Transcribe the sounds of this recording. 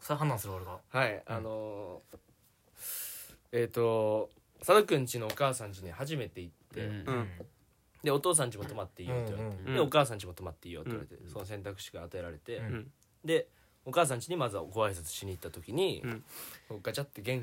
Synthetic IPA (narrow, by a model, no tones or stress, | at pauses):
soɦanːãsɨɾɯkaɾekahaiano̞ | eːt̪ːo̞ | sad̪okɯ̟̃ɲ̟t͡ɕino̞ːkaːsãɲ̟t͡ɕiɲ̟ihaʑime̞t̪e̞it̪ːe̞ | d̪e̞o̞t̪o̞ːs̬ãɲ̟t͡ɕimo̞t̪o̞mat̪ːe̞iːoːt̪ːejaɾet̪ed̪eo̞kaːsãɲ̟t͡ɕimo̞t̪o̞mat̪ːe̞iːjot̪eḭβa̰ɾet̪ḛso̞no̞s̬ẽ̞nt̪akɯ̟̥ɕi̥ɡaːt̪ae̞ɾaɾe̞t̪e̞ | d̪e̞ | o̞kaːs̬ãɲ̟t͡ɕiɲ̟imazɨɡo̞βaɾisat͡sɨ̥ɕiɲ̟iːt̪ːat̪o̞kʲiɲ̟i | hokːat͡ɕat̪ːe̞ɡẽ̞ŋ